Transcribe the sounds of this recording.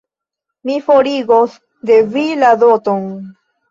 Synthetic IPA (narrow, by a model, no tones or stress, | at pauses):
mifoɾiɡos | d̪e̞viladot̪on